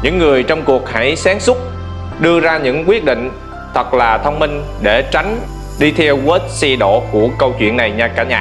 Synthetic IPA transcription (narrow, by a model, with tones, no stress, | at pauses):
ɲɨ̰˧˥ŋːɨ˨˩əjt͡ɕɔ˧wŋ͡mku˨˩ək̚ha̰˧˥jsaː˨˦ŋsʊ˦˥k͡p̚ | ɗɨ˧əzaː˧ɲɨ̰˧˥ŋkwi˦˥ət̚ɗḭ̈˧˨ŋ̟ | t̪ʰə˨˩k̚laː˨˩t̪ʰə˧wŋ͡mmï˧ŋ̟ | ɗe˧˩t͡ɕa˨˦jŋ̟ | ɗi˧t̪ʰɛ˧wɣə˦˥t̚si˧ɗo̰˧˨ku˧˩əkə˧wt͡ɕwḭ˧˨ənːa˨˩jɲaː˨˩kaː˧˩ɲa̰ː˨